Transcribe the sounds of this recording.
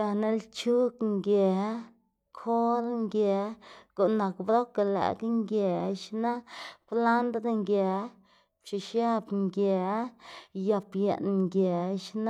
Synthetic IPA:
a˧ne˦lt͡ʃu˦kŋɡʲe˨˦ | kʰo˦ɾŋɡʲe˨˦ɡ̥o˨ʔna˨kbɾo˦ka˨lḛ˨ɡŋɡʲe˨˦ʃna˦pla˦nd̪d̪a˧ŋɡʲe˨˦ | pt͡ʃi˨ʃja˦bŋɡʲe˨˦ja˧pje˨n˧ŋɡʲe˨˦ʃna˦

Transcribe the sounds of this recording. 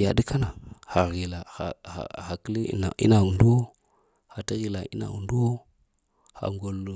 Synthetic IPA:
ja˨də˦ka˦na˨ha˨ɣi˨la˨a̰˨a̰˨ha˨kə˦li˦a˨ḭ˦na˨u˨ndu˦ | ha˨ta˦ɣi˨la˨ḭ˦na̰˨ṵ˨ndu˦ | ha̰˨ŋɡo˨l

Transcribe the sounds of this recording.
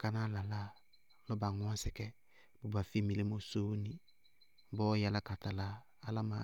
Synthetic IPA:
ka˦na˦la˨la˦ | lɔ˦ba˨ŋʊ˦a˦sɛ˨kɛ˦ | bo˨ba˨fi˦mi˨le˦mo˦so˦ni˦ | bɔ˦ja˨la˦ka˨ta˨laː˦ | la˦ma̰˨˦

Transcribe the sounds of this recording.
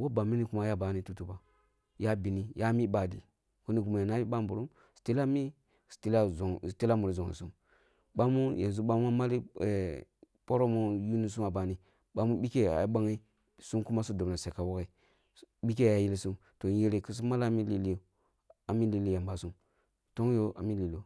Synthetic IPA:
wo˦ba˨mi˦ni˦ku˦ma˦ja˦ba˨˦ni˦tu˦tu˨ba˨ | ja˦bi˨ni˦ja˦mi˦ba˨dḭ˨ | ku˦ni˦ɡu˨ma˨ja˨na˦i˦ɓa˦mbu˨ɾu˦m | sti˦la˦mi˦ | sti˦la˦˨sti˦la˦mu˨ɾi˨zo˨ḭ˨su˦m | ɓa˦mu˦jḛ˨nzu˦ɓa˦mu˦a˦ma˦li˦e˨ | po˦ɾo˦mu˦ju˦ni˦s̬u˦ma˨ba˨ni˦ | ɓa˦mu˦ɓi˦ke˦a̰˨ji˦ɓa˦ŋi˦ | su˦mku˦ma˦su˦do˨bna˨se˨ka˨wo˦ke˨i˨˦ | ɓi˦k̬e˦˨a˨ji˦lsu˦m | to˨je˦ɾe˨ki˦s̬u˦ma˦la˦mi˦li˦li˦jo˨ | a˨mi˦li˦˨li˦ja˨mba˨su˦m | to˦ŋ˦jo˦ʔa̰˨mi˦li˨lo˨

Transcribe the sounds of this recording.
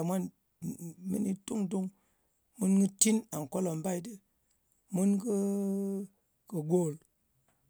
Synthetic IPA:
mʷa˦n | mḭ˦ni˧tu˦ŋtu˦ŋ | mu˦nɡɨ˦ti˦na˨ŋ̩˨ko˦lo˨m˦ba˦i˦dɨ˦ | mu˦nkɨ˦ | kɨ˨ɡo˨l

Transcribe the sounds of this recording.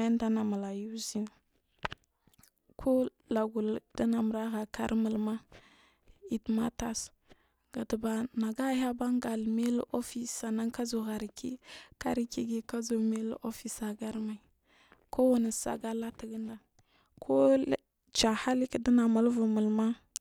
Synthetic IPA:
jnda˦na˨ma˨la˨ju˦zi˦n | kʰo˦ | la˨ɡu˨lda˦na˨m˨ɾa˦ɣa˨ka̰˦ɾmə˨lma˦ | i˨tma˦ta˦s | ɡ̥a˨tə˨ba˨na˨ɡa˦ja˦ba˦ŋɡa˨lme˦lo˦fi˦sa˨na˦ŋka˦zo˨ɣa˨ɾi˨kḭ˦ka̰˦ɾi˦ki˦ɡi˦ka˦zo˨me˦l̰o˦fi˨sa˨ɡa˦ɾma˨i˨ | kʰo˦wa˨na˨sa̰˨ɡa˦la˦ti˨ɡə˦nda˨ | kʰo˦ | t͡ʃa˨ha˦li˦kdi˦na˨ma˨lvu˨mu˨lma˦

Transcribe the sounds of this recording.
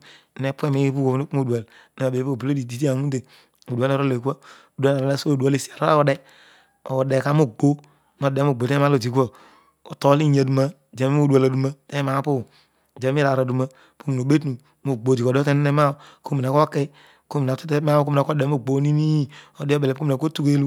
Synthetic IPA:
ne˦pu˦e˦mi˦pu˦ko˨nu˦k͡pu˦mo˨da˨l | na˨be˨˦˨bu˨lo˦di˨di˨ti˦a˨ŋu˦te˨ | u˨du˨a˦lɾo˦le˨ka˦ | o˨du˦a˦la˨ɾa˨la˦so˦˨du˨a˨˦le˨si˨a˨ɾa˦a˦o˨de˦ | o˨de˨ka˦mu˦˨ɡ͡bo˦ | no˨de˨˦mu˨ɡ͡bo˨te˦a˦lo˨ti˨kʷo˦ | o˨to˨li˦ɲe˨du˨ma˦˨d͡ʒe˨mi˦u˦du˨a˨la˨du˨ma˦te˦ma˨˦pu˦˨ | d͡ʒe˨˦mi˦ɾa˨ɾa˨du˨ma˦ | po˦mi˨n˨o˨be˦tnu˨ | mu˨ɡ͡bo˨ti˨ko˨dte˦n˦ne˦ma˦˨ko˦mi˨n˨a˨ko˦ke˦ | ko˦mi˨na˨ti˦te˦ma˦ko˦m˨na˨˦o˦de˨˦mu˦ɡ͡bo˨˦ni˦mi˦o˨di˦o˦be˨le˨˦o˦m˨a˨ko˦tu˦ke˦lu˦

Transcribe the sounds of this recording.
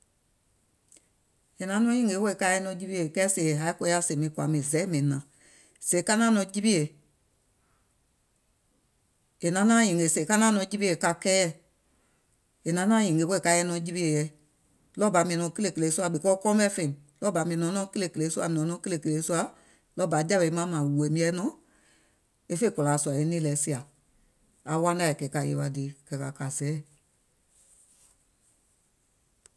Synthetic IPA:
e˨nã˨˦nɔ̃˧˦jĩ˨ɡe˨˦wo˦e˨ka˧˦ɛ˧˦nɔ̃˧˦d͡ʒi˧bi˦e˨kɛ˦se˨e˨ɦa˨˦i˦ko˧˦a˦se˨mĩ˨˦kwa˨mĩ˨zɛ˨˦mĩ˨nã˨ | se˨˦ka˦nã˦nɔ̃˧˦d͡ʒi˦bi˦e˨ | e˨nã˨˦nã˦jĩ˨ŋɡe˨se˨ka˦nã˦nɔ̃˧˦d͡ʒi˦bi˦e˨ka˧kɛ˦jɛ˦˨ | e˨nã˨˦nãː˦jĩ˨ɡe˨˦we˦˨ka˧˦ɛ˧˦nɔ̃˧˦d͡ʒi˦bi˦e˨jɛ˨˦ | lɔ˦ba˨˦mĩ˧ɛ̃˨nɔ̃˨˧˦kə˦le˦˨ke˧le˨˦su˦a˧˨ɓi˨kɔ˦kɔ˦ɔ̃˦bɛ˦fẽ˧˨ĩ˨ | lɔ˦ba˨˧˦mĩ˧˨ɛ˨nɔ̃˨˦nɔ̃˧˦kə˦le˧˨kə˧le˨˦su˦a˧˨nɔ̃˨˦nɔ̃˨˦kə˦le˧˨kə˨le˨˦su˦a˧˦ | lɔ˦ba˨˦d͡ʒa˦be˧˨˦mã˨˦mã˨we˨˦mĩ˧˦ɛ˧˦nɔ̃˨˦ | e˦fe˦˨kɔ˨la˨˦su˧˨a˨e˧˦nĩ˦lɛ˨˦si˧˦a˨ | a˨˦wã˦da˧˨e˨kɛː˨˦˨ka˧˨je˧˦wa˧de˨˦˨kɛ˨˦ka˨ka˨sɛ˨˦˨

